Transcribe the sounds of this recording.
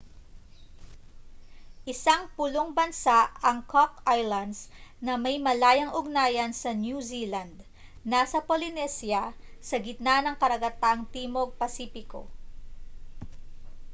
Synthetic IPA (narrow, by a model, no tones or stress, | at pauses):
ʔɪsaŋpʊloŋbɐnsaʔɐŋkʰokʔajlɐnd̪snɐmɐjmɐlaːjɐŋʔʊɡnaːjɐnsɐnjuzilɐnd̪ | nasɐpolɪnɛsjɐsɐɡɪt̪̚nanɐŋkɐɾɐɡɐt̪aŋt̪iːmoɡ̚pɐsiːpɪko̰